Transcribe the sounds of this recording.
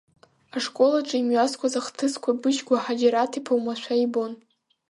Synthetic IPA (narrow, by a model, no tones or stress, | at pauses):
aʂkʼo̞laʈ͡ʂʼɨimɥaskʷʰʼazaχtʰɨskʷʰabɨʃɡʷaħad͡ʒaɾatʰipʰawmaʃʷʰaibo̞n